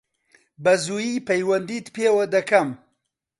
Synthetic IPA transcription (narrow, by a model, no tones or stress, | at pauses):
bɐzuːjipɐjwɐnd̪iːt̪peːwɐd̪ɐkʰɐm